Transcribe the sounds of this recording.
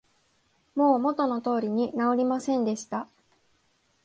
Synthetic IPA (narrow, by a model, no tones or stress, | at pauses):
mo̞ːmo̞t̪o̞no̞t̪o̞ːɾʲiɲ̟inao̞ɾʲimasẽ̞nd̪e̞ɕi̥t̪a